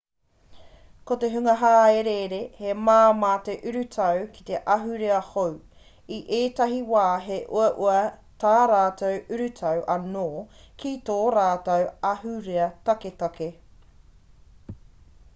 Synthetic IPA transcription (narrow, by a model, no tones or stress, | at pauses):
koteɦʉŋɐɦaːeɾeɾehemaːmɐːteʔʉɾʉtʰɐwki̥te̞ʔɐɦʉɾeɐhow | iʔeːtɐɦiwaːɦeʔṵɐʔuɐtaːɾaːtowʉɾʉtʰɐwʔɐnoːkʰitoːɾaːtɐwɐhʉɾeɐtɐketɐke